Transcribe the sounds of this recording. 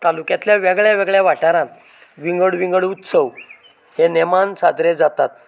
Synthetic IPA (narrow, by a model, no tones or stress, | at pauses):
t̪alukjãt̪ljaʋeɡɭjaʋeɡɭjaʋaʈnaɾãnʋiŋɡəɽʋiŋɡəɭut̪səʋ | henemansad̪ɾed͡zat̪at̪̚